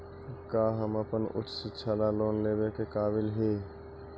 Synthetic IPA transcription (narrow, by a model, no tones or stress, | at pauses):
kaːɦəməpənʊ̰t͡ʃʰsɪtːʃʰaːlaloːnleːbekekaːbɪlɦeː